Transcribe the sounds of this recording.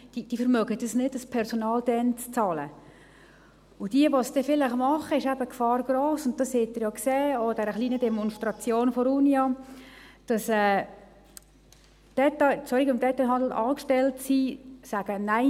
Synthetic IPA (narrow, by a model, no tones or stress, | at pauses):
d̥id̥iːfəɾmœɡədəsnɪdəspʰɛɾsonɑːld̥ɛnt͡st͡sɑːlə̰ | ʊd̥iəʋɔsd̥ɛfɪləχmɑχəɪʃæbəkfɑːɾɡ̥ɾoːsʊnt̚d̥ɑshet̚ːɪɾjɑkseːod̥ɛɾəχliːnədɛmɔnstɾɑt͡sjoːnfɔɾunjɑ | d̥ɑsɛː | d̥ɛtaɪt͡sɔɾiɡʊmdɛt̪ːaɪɦɑnd̪l̩ɑːkʃtɛltsisæɡ̥ənæɪ